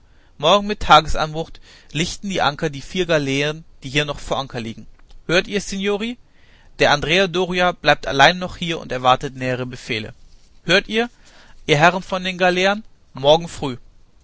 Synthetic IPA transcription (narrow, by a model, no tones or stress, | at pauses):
mɔɐɡŋ̩mɪtʰːaːɡəsʔa̰nbʊχtlɪçtn̩diːʔa̰ŋkɐdiːfiːɐɡaleːənd̥iːhiːɐnɔχfoːɐʔaŋkɐliːɡŋ̩høːɐtiːɐsenjoːʁ̞i | d̥eːɐʔandʁeːadoːʁiab̥laɪp̚ta̰laɪnnɔχhiːɐʊ̰ntɛɐvaɐtətmɛːəʁ̞əbəfeːlə̰ | høːɐtiːɐ | ʔiːɐɦɛʁənfɔndeːnɡaleːɐn | mɔɐɡŋ̩fʁ̥yː